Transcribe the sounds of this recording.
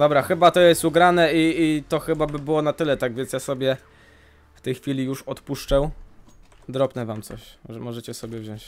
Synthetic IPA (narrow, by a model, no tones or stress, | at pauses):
d̪ɔbɾaxɘbat̪ɔjɛst̪uɡɾanɛiːt̪ɔxɘbabɘbɘwɔnat̪ɘlɛt̪aɡvʲjɛnsjasɔbʲjɛ | ft̪ɛjxfʲilʲijuʂɔt̪puʂt͡ʂɛw | d̪ɾɔpnɛvamt̪sɔɕɛmɔʐɛt͡ɕɛsɔbʲjɛvʑɔ̃w̃t͡ɕ